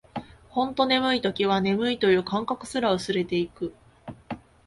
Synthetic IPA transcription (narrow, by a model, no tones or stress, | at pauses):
hõ̞nt̪o̞ne̞mɯ̟it̪o̞kʲiβ̞ane̞mɯ̟it̪o̞jɯ̟ːkãŋkakɯ̟̥sɨɾaɯ̟sɨɾe̞t̪e̞ikɯ̟